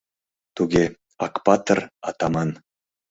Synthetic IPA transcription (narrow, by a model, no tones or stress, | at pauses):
t̪uɡʲe | ɑkpɑt̪ərɑt̪ɑmɑn